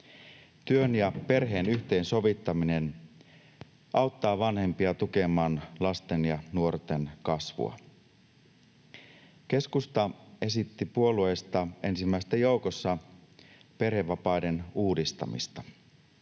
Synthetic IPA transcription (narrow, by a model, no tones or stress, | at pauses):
t̪yønjɑpe̞rɦe̞ːnyçt̪e̞ːnso̞ʋit̪ːɑmine̞n | ʔɑwt̪ːɑːʋɑnhe̞mpiɑt̪uke̞mɑːnlɑst̪e̞njɑnuo̞rt̪e̞nkɑsʋṵɑ̰ | ke̞skust̪ɑe̞sit̪ːipuo̞lue̞st̪ɑe̞nsimːæˑise̥t̪ːæjouko̞sːɑ | pe̞rhe̞ʋːɑpɑjde̞nuːdist̪ɑ̰mḭst̪ɑ